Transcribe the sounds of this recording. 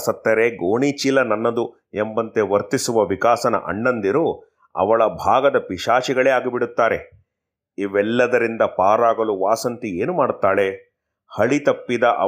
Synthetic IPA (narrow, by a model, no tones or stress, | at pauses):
sɐt̪ːɐɾe̞ɡoːɳit͡ʃilɐnɐnːɐd̪u | embɐnt̪e̞ʋɐɾt̪isuʋɐʋikaːsɐnɐ̰ʔɐ̰ɳːɐnd̪iɾu | ɐ̰ʋɐɭɐbʱaːɡɐd̪ɐpiʂaːʂiɡɐɭeːaːɡibiɽut̪ːaːɾe̞ | iʋɛlːɐd̪ɐɾind̪ɐpaːɾaːɡɐluʋaːsɐnt̪ieːnumaːɽut̪ːaːɭe̞ | hɐɭit̪ɐpːid̪ɐʔɐ̰